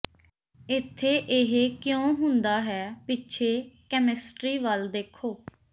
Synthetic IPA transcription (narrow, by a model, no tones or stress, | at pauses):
ɪt̪ʰːeːʔɪɦekjõːɦʊnd̪aːɦɛːpɪtːʃʰeːkɛmɪsʈɾiːʋəld̪eːkʰːoː